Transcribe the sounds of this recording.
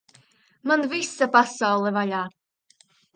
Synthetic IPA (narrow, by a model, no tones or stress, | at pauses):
manvisapasawlˠɛvaʎaː